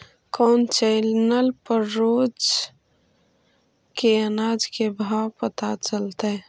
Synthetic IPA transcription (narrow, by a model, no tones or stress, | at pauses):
kɔːnt͡ʃɛɪlnəlpəɾːoːd͡ʒ | keənaːd͡ʒkebʱaːwpət̪at͡ʃəlt̪ɛ